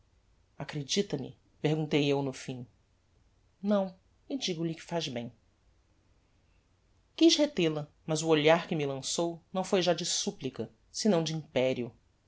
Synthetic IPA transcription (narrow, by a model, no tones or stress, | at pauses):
akɾed͡ʒit̪ɐmɪ̰ | pehɡũnt̪ejewnʊfĩ | nɐ̃w̃ | ɪd͡ʒiɡʊʎɪkɪ̥faʒbẽj̃ | kiʃhet̪elɐ | mɐzʊoʎaɾkɪmɪlɐ̃sownɐ̃w̃fojʒad͡ʒɪsuplikɐ | sɪnɐ̃w̃d͡ʒɪĩpɛɾiʊ